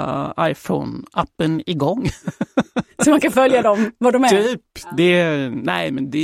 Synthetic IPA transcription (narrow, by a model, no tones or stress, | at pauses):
a̰ɪfɔ̰ʊnapːənɪɡɔŋː | sɔmankanfœljad̪ɔmvad̪ɔmɛyːpd̪ɛnæɪmɛnd̪ɛ